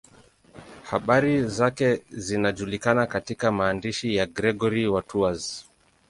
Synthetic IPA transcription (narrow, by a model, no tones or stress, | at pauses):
haɓaɾizakɛzinaʄulikanakatikamaːndiʃijaɡɾɛɡɔɾiwatʰuaz